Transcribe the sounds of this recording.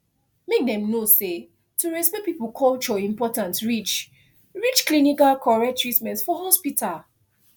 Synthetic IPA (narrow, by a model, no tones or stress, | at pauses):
mek̚dɛ̃mnose | tuɹɛspɛpipukʰɔlt͡ʃɔĩmpɔtãntɹit͡ʃ | ɹit͡ʃklinikalkʰɔɹɛk̚tɹitmɛ̃ntsfɔɦɔspitʰal